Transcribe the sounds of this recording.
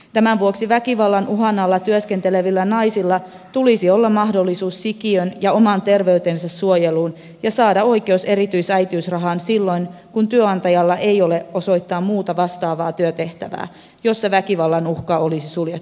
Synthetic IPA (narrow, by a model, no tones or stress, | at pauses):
t̪æmæʋuoksiʋækiʋɑlːɑnʔuɦɑnːɑlːɑt̪yøske̞nt̪ele̞ʋilːænɑjsilːɑ | t̪ulisio̞lːɑmmɑɦdo̞lːisuːsːikiønjɑo̞mɑnt̪e̞rʋe̞yt̪ensɑsːuojeluːn | jɑsɑːdɑo̞jke̞use̞ɾit̪yisæjt̪iysrɑɦɑːnsilːo̞jn | kunt̪yøɑnt̪ɑjɑlːɑʔejo̞le̞o̞so̞jt̪ːɑːmmuːt̪ɑʋɑst̪ɑːʋɑːt̪yøt̪e̞ht̪æʋæ̰ː | jo̞sːɑʋækiʋɑlːɑnuxkɑo̞lisisuljet̪ːu